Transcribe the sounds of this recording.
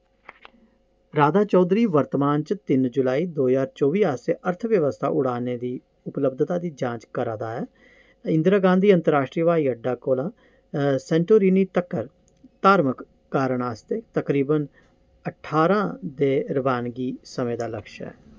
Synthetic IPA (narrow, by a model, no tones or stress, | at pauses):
ɾaːd̪aːt͡ʃɔːd̪ɾiːʋəɾt̪əmaːnt͡ʃət̪ɪnd͡ʒʊlaːiːd̪oːzaːɾt͡ʃoːʋiːaːseːʔəɾt̪ʰʋjəʋəst̪ʰa̰ːʔʊɽ̤aːneːd̪iː | ʊpləbd̪t̪aːd̪iːd͡ʒãːt͡ʃkəɾãːd̪aːɛː | ɪnd̪ɾaːɡãːnd̪iːə̃nt̪əɾaːʃʈɾiːəʋaːiːəɖːaːkoːlãː | sɛ̃ːɳʈoːɾiːniːt̪əkːəɾ | t̪aːɾməkː | aːɾəɳ̃aːst̪eːt̪əkɾiːbən | əʈʰːaːɾãːd̪eːɾəbaːnɡiːsəmẽːd̪aːləkʃɛ̰ː